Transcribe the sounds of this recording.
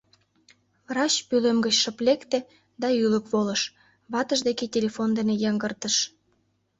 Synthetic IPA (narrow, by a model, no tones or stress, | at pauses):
rɑt͡ɕpylemɡət͡ɕʃə̆plekt̪ĕ | d̪ɑyləkβolə̆ʃ | βɑt̪ə̆ʒd̪eketʲelʲefond̪enejɑŋɡərt̪əʃ